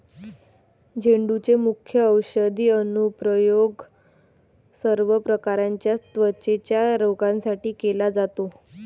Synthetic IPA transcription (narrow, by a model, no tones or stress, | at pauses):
d͡ʑʱeɳɖut͡semukʰjəəwɕəd̪iːənupɾəjoɡ | səɾʋəpɾəkaɾãɲt͡ɕjat̪ʋət͡ɕet͡ɕjaɾoɡãnsaʈiːkelad͡zat̪o